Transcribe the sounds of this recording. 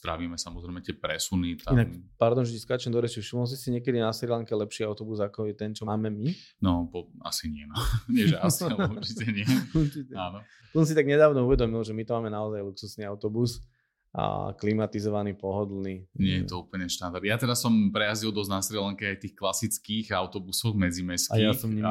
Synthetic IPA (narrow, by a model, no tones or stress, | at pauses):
st̪ɾaʋiːmɛsamɔzɾɛɪmɛt̪ɪɛpɾɛsunit̪ainakpaɾd̪ɔnʒɛɛskat͡ʃɛnd̪ɔɾɛʃifʃimɔls̬isiɲɪɛkɛd̪inasɾilaŋkɛlɛpʃiaʊt̪ɔbuzakɔjɛt̪ɛnt͡ʃɔaːmɛmi | nɔpɔa̰siɲɪɛnɔɲɪɛʒɛasiaɛuɾt͡ʃitɛɲɪɛuɾt͡ʃitɛaːnɔ | t̪ɔsɔns̬it̪aɡɲɛd̪aːʋnɔuʋɛd̪ɔmilʒɛmit̪ɔmaːmɛnaɔzajluksusniaʊt̪ɔbus | ʔa̰klimat̪izɔʋanipɔɦɔd̪lniːɲɪɛjɛt̪ɔupl̩ɲɛʃt̪and̪aɾd̪jat̪ɛɾasɔmpɾɛjazilˠd̪ɔznasɾɛlaŋkɛajt̪iːxklasit͡skiːɣaʊt̪ɔbusɔxmɛd͡zimɛskaijasɔmɲ